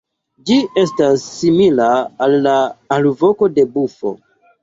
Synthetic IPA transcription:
d͡ʒie̞stasːimilaːlːaalvo̞ko̞de̞bufo̞̰

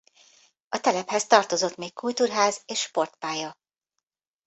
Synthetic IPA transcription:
ɒt̪ɛlɛphɛst̪ɒrt̪o̞zo̞t̪meːkkult̪uːrɦaːzeːʃʃpo̞rt̪paːjɒ

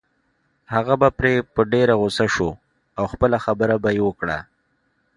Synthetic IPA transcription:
haɣabapɾepəɖeɾaɣʊsaʃo | awxpəlaxabəɾabajewəkɽa̰

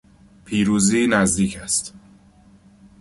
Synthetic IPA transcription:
pʰiːɾuːziːnæzd̪iːcʰæst̪

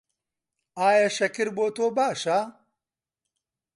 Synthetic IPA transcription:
aːjɐʃɐkiɾboːt̪oːbaːʃa

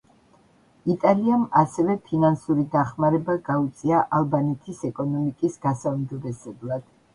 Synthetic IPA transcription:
it̪ʼaliamasɛvɛpʰinansuɾid̪aχmaɾɛbaɡaut̪sʼiaʔalˠbanɛt̪ʰisɛkʼɔnɔmikʼisɡ̥asaumd͡ʒɔbɛsɛblˠad̪̥

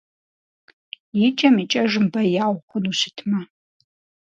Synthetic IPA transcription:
jit͡ʃʼɐmit͡ʃʼɐʒɨmbɐjaːwχʷʊnuɕɪtʰmɐ

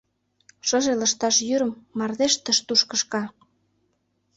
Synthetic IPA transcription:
ʃɤ̆ʒelə̆ʃt̪ɑʃjyɾə̆mːɑrðeʃt̪əʃt̪uʃkəʃkɑ

